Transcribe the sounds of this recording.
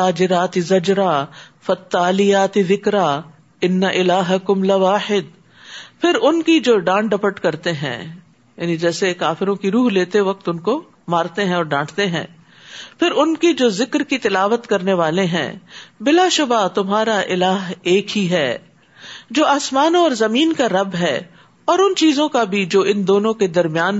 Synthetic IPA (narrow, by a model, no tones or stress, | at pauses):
t̪aːd͡ʒɪɾaːt̪ɪzɐd͡ʒɾaːfɐt̪ːaːlɪjaːt̪ðɪkɾaː | ɪnːɐʔɪlaːɦɐkʊmlɐʋaːħɪd̪̚ | pʰɪɾʊnkid͡ʒoːɖãːɳɖɐpəʈkɐɾt̪eɦɛ̰̃ː | ja̰ːnĩd͡ʒɛːsekaːfɪɾõkiɾuːɦleːt̪eʋɐk̚t̪ʊnko | maːɾt̪eɦɛ̃ɔːɾɖãːʈʰt̪eɦɛ̰̃ː | pʰɪɾʊnkid͡ʒoːzɪkɾkit̪ɪlaːʋət̪kɐɾneʋaːleɦɛ̰̃ːbɪlaʃʊbat̪ʊmɦaːɾaʔɪlaːɦeːkɦiɦɛː | d͡ʒoːaːsmaːnõɔːɾzɐmiːnkaɾɐbɦɛː | ɔːɾʊnt͡ʃiːzõkabʱid͡ʒoːɪ̃nd̪oːnõked̪ɐɾmijaːn